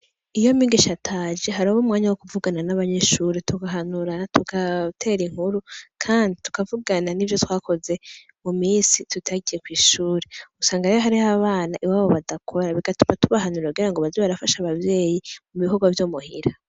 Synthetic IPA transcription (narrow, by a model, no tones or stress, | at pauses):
ijo̞miɡiʃatʰaːd͡ʒeɦaɾiβomŋaːɲawokuvuɡananaβaɲe̞ʃuːɾetuɡaɦanuɾatukatʰe̞ːɾiŋhuɾukʰaːnditu̥kavuɡananivjo̞twaːko̞ze̞ | mumiːsitutʰaɡije̞kwiːʃuːɾeusaːŋɡaejoɦaɾihaβaːnaʔiwaːβo̞βadakʰo̞ɾaβiɡatu̥matuβahanuɾauɡiɾaŋɡoβazoβaɾafaʃaβavje̞ːjimuβiɦoɡwavjoːmuhiɾa